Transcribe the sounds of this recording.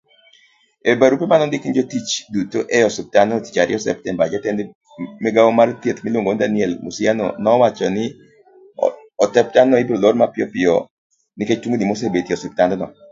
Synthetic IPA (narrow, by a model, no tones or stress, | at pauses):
ebaɾupemanɔndɪkind͡ʒotit͡ʃdutoʔɛjɔsup̚tandɔnɔti̥t͡ʃaɾɪɔsɛ̰p̚tɛnbad͡ʒatɛnd | mɛɡawomaɾtjet̪miloŋɡondanɪɛlmusianɔ̰nɔːwat͡ʃɔnɪ | ɔtɛp̚tannɔibɾoloɾmapɪɔpɪɔ | niket͡ʃtwuŋɡinimos̬ebetiɔsup̚tandɔnɔ̰